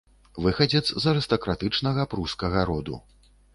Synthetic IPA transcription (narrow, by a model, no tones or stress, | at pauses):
vɨxɐd͡zʲɛt̪szɐɾɨst̪ɐkɾat̪ɨt͡ʂnɐɣɐpɾuskɐɣɐɾɔd̪ṵ